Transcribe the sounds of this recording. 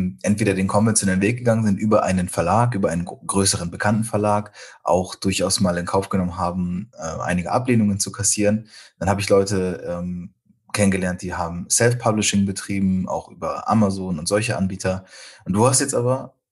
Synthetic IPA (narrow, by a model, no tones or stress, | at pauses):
ʔɛntv̥eːɾɐdeːnkʰɔnvɛnt͡sjonɛlənveːk̚ɡ̥əɡaŋənzɪntʔyːbɐʔa̰ɪnənfɛɐlaːkʔyːbɐʔaɪnənɡ̥ʁøːsəʁ̞ənbəkʰantn̩fɛɐlaːkʔa̰ʊxd̥ʊɐçʔaʊsmaːlɪnkʰaʊfɡ̥ənɔmənɦaːbm̩ʔɛ̰ːʔa̰ɪnɪɡəʔa̰pleːnʊŋənt͡sukʰasiːʁənd̥anhaːbəɪçlɔʏtəʔɛm | kʰɛnənɡəlɛɐnt̚d̥iːɦaːbm̩sɛlfpʰablɪʃɪŋbətʁ̥iːbm̩ʔa̰ʊxʔyːbɐʔa̰mazoːnʊntz̥ɔlçəʔa̰nbiːtʰɐʔʊnt̚d̥uːhastjɛt͡stʔaːbɐ